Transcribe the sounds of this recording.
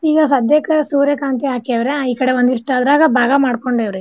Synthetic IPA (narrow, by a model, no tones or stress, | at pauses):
iːɡɐs̬ɐd̪jɐkɐsuːɾjekaːnt̪iɦaːkɐʋɾeiːkɐɽeʋond̪iʂʈaːd̪ɾaːɡɐbʱaːɡɐmaːɽko̞ɳɖeːʋɾe